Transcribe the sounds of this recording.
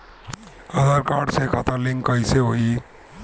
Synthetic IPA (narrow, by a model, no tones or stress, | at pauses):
ədaɾkaɖsekʰat̪aliŋkəjseɦoi